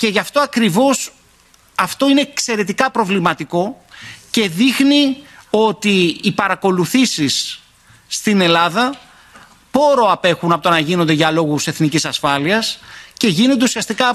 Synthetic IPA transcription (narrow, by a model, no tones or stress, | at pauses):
ce̞ʝɐft̪o̞ɐkɾivo̞s | ɐft̪o̞ine̞ːkse̞ɾe̞t̪ikɐpɾo̞vlimɐt̪iko̞ | ce̞ðixnio̞t̪iːpɐɾɐko̞luθisisː | t̪ine̞lɐðɐ | po̞ɾo̞ɐpe̞xunɐpot̪onɐʝinond̪eʝɐlo̞ɣuse̞θnicisɐsfɐliɐsce̞ʝino̞nd̪e̞usiɐst̪ikɐ